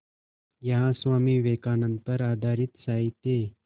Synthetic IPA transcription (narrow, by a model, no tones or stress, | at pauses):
jaãsʋamiːʋekanənt̪əɾad̪ʱaɾit̪saɦit̪e